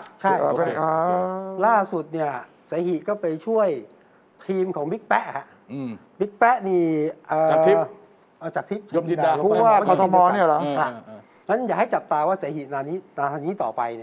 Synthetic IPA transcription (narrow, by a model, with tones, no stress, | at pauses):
t͡ɕʰa˥˩j | laː˥˩su˨˩t̪̚ni˥˩ɐ | sa˩˦hi˨˩kɔː˥˩pa˧jt͡ɕʰu˥˩əj | t̪ʰiː˧mkʰɔː˩˦ŋbi˦˥k̚pɛ˦˥ʔkʰa˧˩ʔ | bi˦˥k̚pɛ˦˥ʔniː˧˩ʔɤː˨˩˨ | ʔa˧˩t͡ɕaː˨˩k̚t̪ʰi˦˥p̚o˧i˧a˧˥˩waː˥˧˩ɔ˧t̪ʰːmɔː˧ni˥˩ɐlha˧˥ | ŋa˦˥njaː˨˩kha˥˩jt͡ɕa˨˩p̚t̪aː˧waː˥˩saː˨˩˦hi˨˩naː˧ni˦˥naː˧t̪ʰa˧niː˦˥t̪ɔː˨˩pa˧jni˥˩